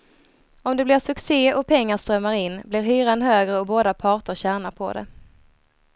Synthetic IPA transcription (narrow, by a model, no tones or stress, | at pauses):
ɔmd̪ɛblɪɾʂɵkseːɔpʰɛŋːaʂt̪ɾœmːaɾɪnːblɪɾɦyːɾanɦøːɡɾəɔboːd̪apʰɑːʈəɾɕæːɳapʰɔ̰d̪ɛ̰